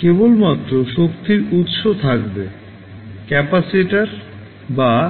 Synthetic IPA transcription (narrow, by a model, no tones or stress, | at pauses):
kebolmat̪ːɾoʃokt̪iɾut̪ʃot̪ʰakbe | kɛpasiʈaɾ | ba